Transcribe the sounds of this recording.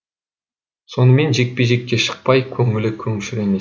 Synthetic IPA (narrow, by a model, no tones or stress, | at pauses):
so̞nəme̞nʒe̞k̚peʒe̞k̚ːʲeʃə̥q̚pɑjkʲʰɵŋɪlɪkʲʰɵŋʃyɾe̞me